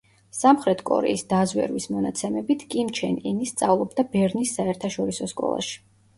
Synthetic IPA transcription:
samχɾɛt̪ʰkʼɔ̰ɾɛ̰isd̪azwɛ̰ɾwismɔnat̪sʰɛmɛbit̪ʰkʼimt͡ʃʰɛninist̪sʼavlˠɔbd̪abɛɾnisːaɛɾt̪ʰaʃɔɾisɔskʼɔ̰lˠa̰ʃi̥

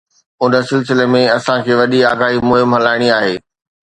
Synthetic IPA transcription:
ʊnə̆sɪlsɪlemẽɐsãkʰeːʋɐɗiaːɡaːɦimʊɦɪmɦɐlaːɪɽ̃iaːɦeː

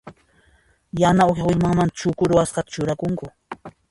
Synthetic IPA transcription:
janaoxjaʊʎmaŋmant͡ʃʊkʊɾʊwasqɑt̪ḁt͡ʃʊɾakʊŋkʊ

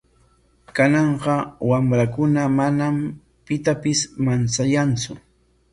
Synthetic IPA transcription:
kanɑɴɢɑwamɾakʊnamanam | pɪt̪apɪsmant͡sajant͡sʊ

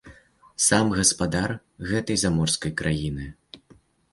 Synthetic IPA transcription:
samɣɐspad̪ar | ɣɛt̪ɐjzamɔrskɐjkɾʔajinɨ

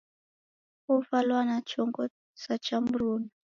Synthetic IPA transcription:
ufalwanat͡ʃʰɔŋɡɔ | sat͡ʃambɾuːna

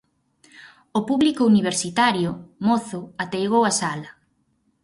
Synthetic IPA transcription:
opuβlikouniβ̞eɾsit̪aɾjʊmoθʊat̪ejɣowasalɐ

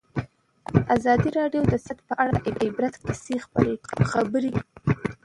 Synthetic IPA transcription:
azɑd̪iɾɑɖjod̪əsat̪pəʔaɽaʔɪɪbɾat̪kasexpxabəɾi

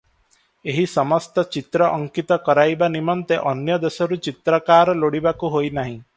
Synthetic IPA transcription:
eɦisɔmɔst̪ɔt͡ʃit̪ɾɔʔɔŋkit̪ɔkɔɾajbanimɔnt̪eʔɔnjɔd̪esɔɾut͡ʃit̪ɾɔkaɾɔloɽibakuɦojnaɦĩ

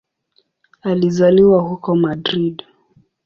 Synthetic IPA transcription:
alizaliwahukɔmadɾid

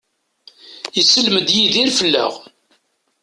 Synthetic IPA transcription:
jisəlməd̪jiðiɾfəlːæ̰ʁ

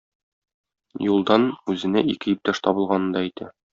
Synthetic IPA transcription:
julˠd̪ɑnʉzɘ̆næʔikɘjɵ̆p̚t̪ɑʃt̪ɒbɤ̆lˠʁɑnɤ̆nd̪ɑijt̪ʰæ̰

